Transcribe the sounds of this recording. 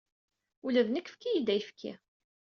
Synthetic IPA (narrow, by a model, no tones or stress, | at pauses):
ulæðnəkːfkːijid̪ːæjəfkʰːḭ